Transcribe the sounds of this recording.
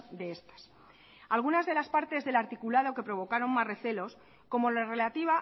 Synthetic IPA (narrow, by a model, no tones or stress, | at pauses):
d̪e̞est̪ḁs | alɣ̞unazðe̞laspaɾt̪e̞zðe̞laɾt̪ikulað̞o̞ke̞pɾo̞β̞o̞kaɾo̞ŋmasre̞θe̞lo̞s | ko̞mo̞laere̞lat̪iβa